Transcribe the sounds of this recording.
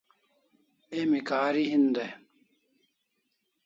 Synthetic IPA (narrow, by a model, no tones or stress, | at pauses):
emikaːɾiɦind̪e